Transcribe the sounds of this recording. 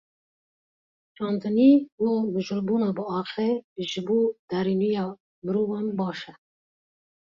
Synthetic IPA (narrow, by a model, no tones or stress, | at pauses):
t͡ʃɑːnt̪əniwodəʒʊlbunɑbəɑːxeʒbud̪̥aɾinujɑ | mɾuwambɑːʃa